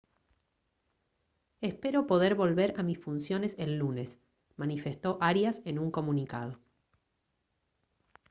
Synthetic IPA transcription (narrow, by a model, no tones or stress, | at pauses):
espe̞ɾopo̞ð̞eɾβo̞lβeɾamisfunsjo̞ne̞selːune̞s | manife̞st̪o̞ʔaɾjasenuŋko̞munika̰ð̞o̞